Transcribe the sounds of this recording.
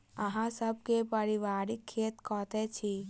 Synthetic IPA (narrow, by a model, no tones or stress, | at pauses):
əɦãsəb̚kepəɾiʋaːɾikʰːeːt̪kɔːt̪et͡ʃʰi